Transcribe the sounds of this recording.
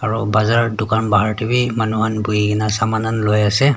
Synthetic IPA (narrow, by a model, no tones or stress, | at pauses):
aɹubazaɹɔdʊkanbaɦaɹtibimanuɦanbujikinasamananlojasɛ